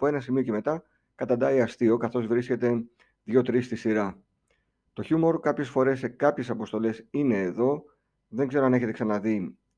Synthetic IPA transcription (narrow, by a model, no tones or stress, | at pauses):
poe̞nɐsimioce̞me̞t̪ɐ | kɐt̪ɐnd̪ɐiɐst̪io̞kɐθo̞zvɾisce̞t̪e̞ | ðʝo̞t̪ɾist̪isiɾɐ | t̪o̞çumo̞ɾkɐpçe̞sfo̞ɾe̞sːe̞kɐpçe̞sɐpo̞st̪o̞le̞sine̞ːðo̞ | ðe̞ŋɡze̞ɾoɐne̞çet̪e̞ksɐnɐði